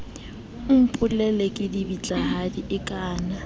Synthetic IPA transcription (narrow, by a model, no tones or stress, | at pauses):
m̩pʰʼʊlɛlekʼɪdibit͡ɬʼaɦadiʔɪkʼaːna